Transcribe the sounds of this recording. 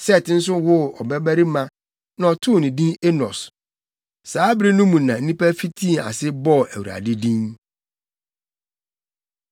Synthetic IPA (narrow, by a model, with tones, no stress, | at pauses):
sɛ˦˨tɪ̃˦n̩˦s̬ʊ˦wʊ˦ɔ˨bæ˦bæ˦ɾi˦mã˦ | nã˨ɔ˨tʰʊ˦˨nɪ̃˨dĩ˦ne˦nɔ̰˨s | saː˨˦bɾi˦nũ˦mũ˨nã˨n̩˦nĩ˦pæ˦fi˦tʰĩ˦˨a̰˨sɪ˦bɔ˦˨æ˨wu˨ɾa̰˨dɪ˦dĩ˦n